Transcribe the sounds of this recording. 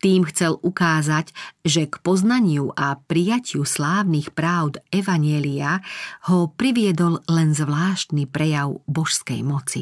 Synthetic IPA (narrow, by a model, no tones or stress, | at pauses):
t̪iːmxt͡sɛlukaːzacʒɛkpɔznaɲɪuʔapɾijacʰɪuslaːʋnixpɾaːʊd̪ɛʋaɲɪɛliahɔpɾiʋɪɛd̪ɔllɛnzʋlaːʃt̪nipɾɛjaʊbɔʃskɛ̰jmɔt͡sḭ